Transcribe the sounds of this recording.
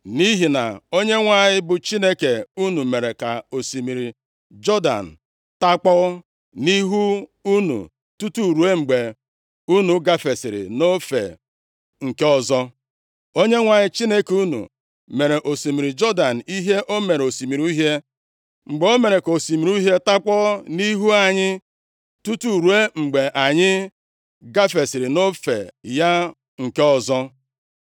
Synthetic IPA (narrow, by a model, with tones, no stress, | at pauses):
ni˦ɦi˨na̰˨o˦ɲe˦ŋʷa˦˨ɲɪ˦bʊ˨t͡ʃi˦ne˦ke˨u˦nu˨me˨ɾe˨ka˨o˨si˨mi˨ɾi˨ | d͡ʒɔ˦da̰˨n̩˨ | ta˦k͡pɔ˦ɣ | ni˦ɦu˦u˦nṵ˨ | tu˦tu˦˨ɾu˨e˦ŋ͡m̩˨ɡ͡be˨ | u˦nu˨ɡa˦fe˨si˨ɾɪ̰˨no˦fḛ˨ | ŋ̩˨ke˦ɔ˦zɔ˦ | o˦ɲe˦ŋʷa˨ɲɪ˦t͡ʃi˦ne˦ku˦nṵ˨ | me˨ɾe˨ʔo˨si˨mi˨ɾi˨d͡ʒɔ˦da˨n̩˨i˦ɦe˦ʔo˦me˨ɾo˨si˨mi˨ɾu˦ɦe˦ | ŋ͡m̩˨ɡ͡be˨o˦me˨ɾe˨ko˨si˨mi˨ɾu˦ɦe˦ta˦k͡pɔ˦ni˦ɦu˦a˨ɲɪ˦ | tu˦tu˨ɾu˨˦e˦ŋ͡m̩˨ɡ͡be˨ʔa˨ɲɪ˦ | ɡa˦fe˨si˨ɾi˨no˦fḛ˨ja˦ | ŋ̩˨ke˦ɔ˦zɔ˦